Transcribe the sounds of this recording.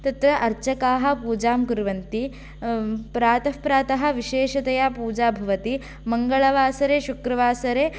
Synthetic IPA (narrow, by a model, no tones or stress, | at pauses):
t̪ɐt̪ɾɐʔɐɾt͡ʃɐkaːɦɐ̆puːd͡ʒaːmkuɾʋɐnt̪i | pɾaːt̪ɐpɾaːt̪ɐɦɐ̆ʋiʃeːʃɐt̪ɐjaːpuːd͡ʒaːbʱɐʋɐt̪i | mɐŋɡɐɭɐʋaːsɐɾeːʃukɾɐʋaːsɐɾeː